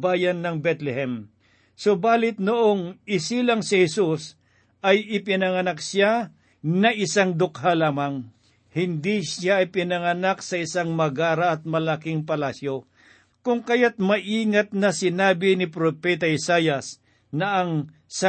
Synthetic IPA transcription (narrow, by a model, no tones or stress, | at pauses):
baːjɐnːɐŋbɛt̪lɛhɛm | sobaːlɪt̪noʔoŋɪsilaŋsɪhɛsus | ʔɐjɪpɪnɐŋɐnak̚sja | nɐʔɪsaŋd̪ʊkhalaːmaŋ | hɪnd̪isjaɐjpɪnɐŋɐnak̚sɐɪsaŋmɐɡaːɾɐːt̪̚mɐlakɪŋpɐlaːsjo | kʊŋkɐjat̪̚mɐʔiːŋɐt̪̚nɐsɪnaːbɪnɪpɾopɛt̪ɐɪsaːjɐs | nɐʔɐŋ | s